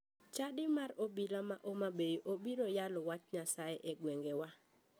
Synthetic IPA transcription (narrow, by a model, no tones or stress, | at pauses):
t͡ʃadɪmaɾobilamaʔomabejiʔobiɾojalɔwat͡ʃɲasaeʔeɡweŋɡewa